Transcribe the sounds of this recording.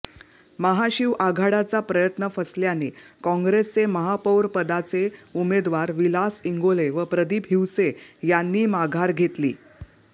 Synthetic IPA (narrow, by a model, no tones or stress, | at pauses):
məɦaɕiʋʔaɡʱaɽat͡sapɾəjət̪nəfəsljanekɔ̃ŋɡɾest͡seməɦapəwɾpəd̪at͡seumed̪ʋaɾʋilasiŋɡoleʋəpɾəd̪ipɦiwsejanːiːmaɡʱaɾɡʱet̪lḭː